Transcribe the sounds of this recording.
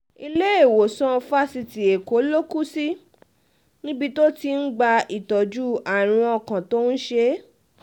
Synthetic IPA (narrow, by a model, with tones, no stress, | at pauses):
i˧le˦e˦˨wo˨sɔ̃˦fa˦si˧ti˨e˨ko˨˦lo˦ku˦si˦ | nĩ˦bi˧to˦ti˧n̩˦ɡ͡ba˧i˨tɔ˨d͡ʒu˦a˨ɾ̃ĩ˧ɔ˧˨kã˨to˦n̩˦ʃe˧˦